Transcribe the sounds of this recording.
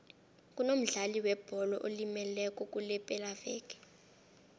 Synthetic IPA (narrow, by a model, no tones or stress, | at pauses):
k̬ʼunom̩ɮaliwɛb̥ʱɔlɔʔolimɛlɛkʼɔkʼulɛpʼɛlavɛːkɛ̥